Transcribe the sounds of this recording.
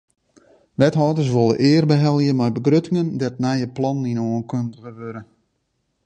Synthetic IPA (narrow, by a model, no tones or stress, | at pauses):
ʋɛtɦɔːdərs̬ʋolˠə̰ʔɪːərbəɦɛlˠjəmɛjbəɡrøtɪŋəndɛt̚nɛjəplɔnːinoənkøndəɣəʋøɾə